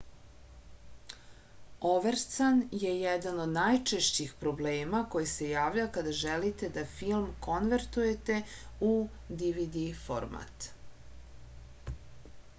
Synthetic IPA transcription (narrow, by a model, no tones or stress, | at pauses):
oʋeɾt̪sanje̞jɛd̪ano̞d̪najt͡ʃeʃt͡ɕixpɾo̞bleːmako̞jisejaːʋʎakad̪aʒelit̪e̞d̪afilˠmko̞nʋeɾt̪uje̞t̪e̞u | d̪iʋid̪ifo̰ɾma̰t̪